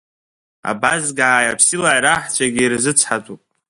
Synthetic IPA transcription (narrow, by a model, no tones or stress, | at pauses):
a̰bazɡaʕajapʰsilaʕjɾaħt͡ʃʷʰaɡʲiːrzɨt͡sʷʰħatʼupʼ